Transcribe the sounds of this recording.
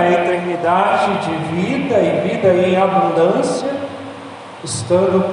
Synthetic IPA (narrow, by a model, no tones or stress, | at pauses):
ɐet̪eɾnid̪ad͡ʒɪd͡ʒɪvid̪ɐɪvid̪ɐẽj̃abũnd̪ɐ̃sjɐ | ɪst̪ɐ̃nd̪ʊ